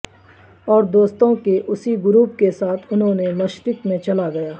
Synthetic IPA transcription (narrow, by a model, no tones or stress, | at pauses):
ɔːɾd̪oːst̪õkeʔʊsiɡʊɾuːp̚kesaːt̪ʰʊnɦõnemɐʃɾɪt̪mẽt͡ʃɐlaɡɐjaː